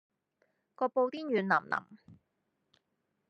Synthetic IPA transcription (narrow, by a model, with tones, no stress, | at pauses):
kɔː˧po˧wt̪iː˥njyː˨˧nlɐ˨˩mlʔɐ̰˨˩m